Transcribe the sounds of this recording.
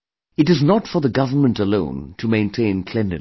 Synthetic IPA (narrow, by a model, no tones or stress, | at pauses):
ɨɾɨznətfə˞ðəɡʌvə˞mə̃ntəlõʊ̃ntʰɨmẽɪ̃ntʰẽɪ̃nkʰl̥ɛ̃nɨ̰̃